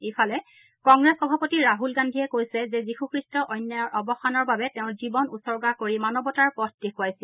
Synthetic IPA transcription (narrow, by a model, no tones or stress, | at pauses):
ejfʰalɛ | kɔŋɡɹɛsxɔbʱapotiɹaɦulɡandʱiɛkojsɛzɛzixukʰɹistɔʔɔjnjajɔɹʔɔbɔxanɔɹbabɛtɛʊ̃zibɔnṵsɔɹɡakoɹimanɔbɔtaɹpɔtʰdexuajsil